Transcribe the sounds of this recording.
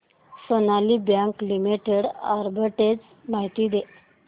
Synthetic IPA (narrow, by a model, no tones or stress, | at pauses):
sonalibjãŋklimiʈeɽa̰ɾbəʈed͡z | maɦit̪id̪e